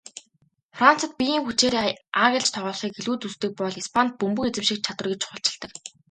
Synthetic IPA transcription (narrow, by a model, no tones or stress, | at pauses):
fran̥t͡sə̆t̪̚pʲijiːŋxut͡ɕeːɾeːaŋɣʲɪ̆ɮt͡ɕt̪ʰɔʁɔːɮχiːkeɮuːt̪ust̪ɘ̆k̚pɔɮispʰant̪̚pumpɵ̆ket͡sɘ̆mʃĭk̚t͡ɕʰat̪wə̆rɣĕt͡ɕʰʊ̥χʊ̆ɬt͡ɕɪ̆ɮt̪ə̆k